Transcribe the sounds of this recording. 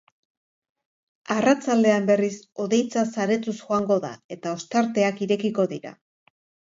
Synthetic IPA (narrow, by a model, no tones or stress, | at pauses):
arat͡sald̪e̞ambe̞riso̞ðe̞jt͡sasaɾe̞t̪usxo̞aŋɡo̞ða̰e̞t̪aost̪aɾt̪e̞akiɾe̞kiko̞ðiɾa̰